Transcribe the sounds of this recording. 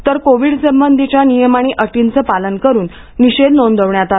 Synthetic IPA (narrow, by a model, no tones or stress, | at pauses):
t̪əɾkoʋiːɽsəmbənd̪ʱit͡ɕjanijəmaɽ̃iʔəʈint͡səːpalənkəɾuːnː | iɕed̪nond̪ʱəʋɳjat̪a